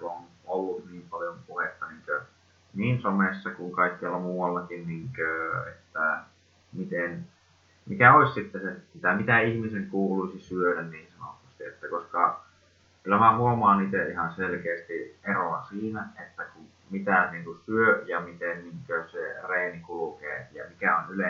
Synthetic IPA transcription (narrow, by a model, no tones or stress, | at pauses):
onolːut̪niːmpɑljompuhet̪ːɑniːŋkø | niːnsomesːɑkuŋkɑikːiɑlːɑmuːwɑlːɑkinniŋkøḛt̪ːæ | mit̪en | mikæoissit̪ːesesit̪æmit̪æihmiseŋkuːluisisyødænniːnsɑno̰t̪ust̪iet̪ːækoskɑ | kylæmæhuomɑːniːt̪eʔʔihɑnselkeːst̪iʔeroɑsiːnæʔet̪ːæku | mit̪æniːŋkusyøjɑmit̪enniːŋkøsḛreːnikulukḛːjɑ̰mikæonyle